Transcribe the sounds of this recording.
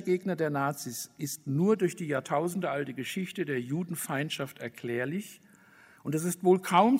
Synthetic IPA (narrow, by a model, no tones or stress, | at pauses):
ɡeːɡnɐdeːɐnaːt͡sisʔɪstnuːɐdʊɐçd̥iːjaːɐtʰaʊzn̩dəʔaltəɡəʃɪçtədeːɐjuːdn̩faɪntʃaftɛɐkʰl̥ɛːɐlɪç | ʔʊntd̥ɛs̬ɪstv̥oːlkʰaʊm